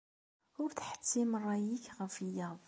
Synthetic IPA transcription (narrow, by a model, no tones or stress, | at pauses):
ʊɾt̪ħə̥t̪ːimərˤːɑjikɣəfəjːɑðˤ